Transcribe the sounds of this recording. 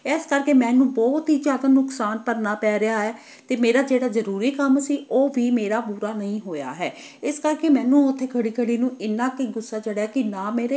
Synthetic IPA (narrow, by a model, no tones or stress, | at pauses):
ɪskəɾkeːmɛ̃ːnũːbɔːt̪ɦiːd͡ʒaːd̪anʊksaːnpəɾnaːpɛːɾɪaːɦɛː | t̪eːmeːɾaːd͡ʒeːɽaːzəɾuːɾiːkəmsiːʔoːʋʱiːmeːɾaːpuːɾaːnəɦĩːɦoːja̰ːɦɛː | ɪskəɾkeːmɛ̃ːnũːʊt̪ʰːeːkʰəɽiːkʰəɽiːnũːɪnːãːkiɡʊsːaːt͡ʃəɽaːkɪnãːmeːɾeː